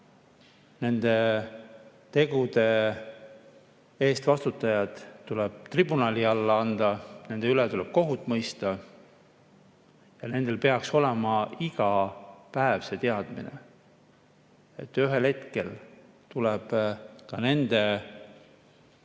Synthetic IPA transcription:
ne̞nd̪̥e̞ | t̪e̞ɡ̥ud̪e̞ | eːst̪vɑst̪ut̪ːˑɑjɑd̪̥ːulɛb̥t̪ribunɑliɑlːɑɑnd̪̥ɑne̞nd̪̥eylet̪ulɛb̥̚ko̞ɦut̪ːˑmɤjst̪ɑ | jɑne̞nd̪̥e̞lpe̞ɑkso̞lemɑiɡ̥ɑpæevse̞t̪e̞ɑd̪̥mḭnḛ | e̞t̪ːˑyɦe̞lhe̞t̪ke̞l | t̪ulɛb̥kɑne̞nd̪̥e̞

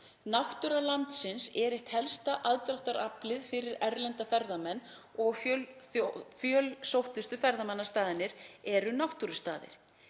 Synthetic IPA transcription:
nawht̪uɾalant̪sɪnsɛɾɪht̪hɛlst̪aʔaðt̪ɾaht̪aɾaplɪðfɪɾɪɾɛɾlɛnt̪afɛɾðamɛnːɔɣf | fjœlsowht̪ʏst̪ʏfɛɾðamɛnːast̪aːðɪnːɪɾɛɾʏnawht̪uɾʏst̪aːðɪ̰ɾ̥

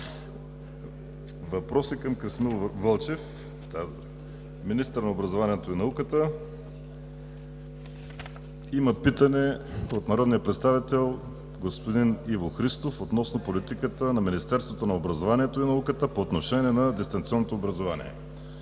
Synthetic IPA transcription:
vɐpɾɔsikɐmkɾismilˠvɤlˠt͡ʃɛf | t̪a | minist̪əɾnɐobɾɐzovaniɛt̪oinɐukət̪ə | imɐpit̪ənɛot̪nɐɾɔd̪nijəpɾɛt̪st̪avit̪ɛlˠ | ɡospod̪inivoxɾist̪ofot̪nɔsnopolit̪ikət̪ənɐminist̪ɛɾst̪vot̪onɐobɾɐzovaniɛt̪oinɐukət̪əpoːt̪noʃɛniɛnɐd̪ɛst̪ɐŋt̪siɔnːot̪oobɾəzovanḭɛ̰

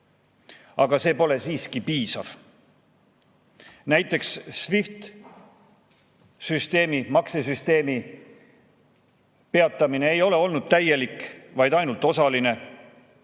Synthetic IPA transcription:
ɑɡ̥ɑse̞ːpo̞le̞siːskipiːsɑ̰v̥ | næjt̪ːˑe̞ksːvift̪ | syst̪e̞ːmimɑkses̬yst̪e̞ːmi | pe̞ɑt̪ːˑɑmine̞ejo̞le̞o̞lnud̪̥̚t̪æje̞likvɑjd̪̥ɑjnult̪ːˑo̞sɑline̞

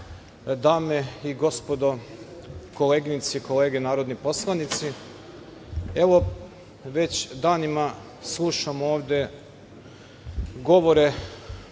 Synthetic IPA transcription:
d̪aːmeiɡo̞spo̞d̪o̞ | ko̞leːɡinit̪siko̞le̞ːɡenaːɾod̪nipo̞slˠanit̪si | e̞ʋo̞ | ʋe̞t͡ɕd̪aːnima | slˠuʃamooːʋd̪ʲe̞ | ɡo̞ʋo̞ɾe

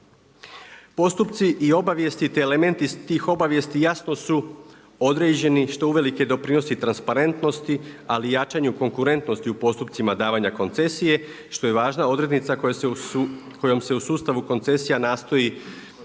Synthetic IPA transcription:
po̞st̪upt̪siʔio̞baʋje̞st̪it̪eːle̞me̞nt̪ist̪iːxo̞baʋje̞st̪ijasno̞su | o̞d̪ɾe̞ːd͡ʑe̞niʃt̪o̞uʋe̞like̞d̪o̞pɾino̞sit̪ɾanspaɾe̞nt̪no̞st̪ialijat͡ʃaɲuko̞ŋkuɾe̞nt̪no̞st̪iupo̞st̪upt̪simad̪aːʋaɲako̞nt̪se̞sije̞ | ʃt̪o̞je̞ʋaːʒnao̞d̪ɾe̞d̪nit̪sa | kʰojo̞mse̞usuːst̪aʋuko̞nt̪se̞sijanaːst̪o̞ji

